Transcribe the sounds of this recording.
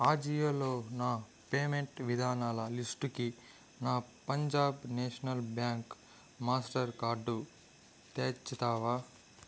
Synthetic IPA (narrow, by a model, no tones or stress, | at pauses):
aːd͡ʒijɐloːnaː | peːmeɳʈʋid̪ʱaːnaːlɐlisʈuki | naːpɐɲd͡ʒaːbneːʂɐnɐlbjaːŋk | maːsʈɐɾkaːɾɖu | t̪eːt͡ʃːit̪aːʋaː